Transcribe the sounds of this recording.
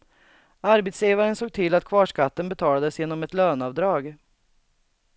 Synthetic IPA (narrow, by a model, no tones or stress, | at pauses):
aɾbɛt̪sjeːvaɾənsoːɡ̚t̪ʰɪlːat̪kʰvɑːʂkat̪ːənbɛt̪ʰɑːlad̪əsjeːnɔmɛt̪løːnɑvd̪ɾɑːɡ